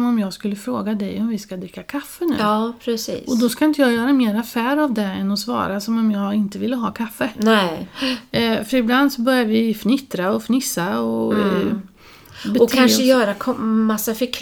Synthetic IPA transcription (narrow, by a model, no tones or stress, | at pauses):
ɔmɔmjɑːɡskɵlːəfɾoːɡad̪ɛjɔmvɪskad̪ɾɪkːakʰafːənʉ̟ːɑːpʰɾɛsḭːɔd̪ɔskaɪnt̪əjɑːɡjœːɾameːɾafæːɾavd̪ɛɛnːɔsvɑ̰ːɾasɔmɔmjɑːɡɪnt̪əvɪlːəɦɑːkʰafːənɛ | fœɾɪbland̪sɔbœɾjaɾvɪfnɪt̪ɾaɔfnɪsːaɔ | bɛɔkʰanʂəjœːɾakʰɔmasːafœɾkʰ